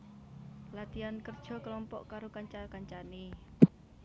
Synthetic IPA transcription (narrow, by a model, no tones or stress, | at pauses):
lat̪iankərd̥ʒ̥ɔ̤klɔmpɔʔkaɾokaɲt͡ʃakaɲt͡ʃane